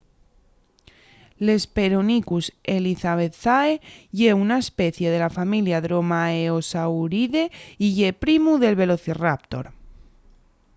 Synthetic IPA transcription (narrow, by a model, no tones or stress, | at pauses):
le̞spe̞ɾonikuse̞liθaβe̞t̪θaeʝe̞unaespe̞θje̞ð̞e̞lafamiljaðɾo̞maeo̞sawɾiðe̞iʝe̞pɾimuðe̞lβe̞lo̞θirap̚t̪o̞̰ɾ